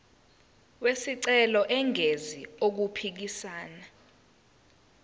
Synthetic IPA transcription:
wesiǀɛlɔʔɛŋʱeziok̬upʰik̬isaːna

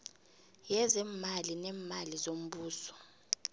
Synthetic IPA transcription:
jɛzɛmalinɛmalizom̩ɓuːsɔ̥

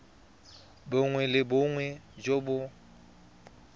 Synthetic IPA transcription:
bʊŋwɛlɪbʊŋwɛd͡ʒobʊ

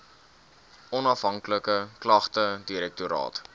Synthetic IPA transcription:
ɔnɐfɦɐŋkləkəklɐχtədiɾɛk̚tuɾɑ̰ːt

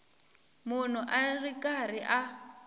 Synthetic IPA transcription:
mʊnʊʔarikʼariʔa

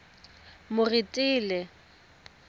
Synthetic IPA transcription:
mʊritʼiːlɛ

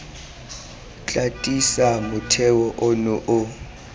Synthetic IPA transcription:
t͡ɬʼatʼisamʊtʰɛwɔʔɔnɔʔʊ

